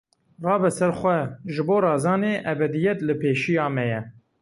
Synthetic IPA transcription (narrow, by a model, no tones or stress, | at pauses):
rɑːbɨsɛɾxʷɛʒɨboːrɑːzɑːneːʔɛbɛd̪ijɛt̪lɨpʰeːʃijɑːmɛjɛ